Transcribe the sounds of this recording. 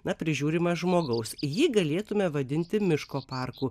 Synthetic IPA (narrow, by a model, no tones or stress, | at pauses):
nɐpʲɾʲɪʒʲuːɾʲɪmɐʒmoːɡɐʊsjiːɡɐlʲeːt̪ʊmʲɛʋɐd̪ʲɪnʲt̪ʲɪmʲɪʃkoːpɐˑrkuː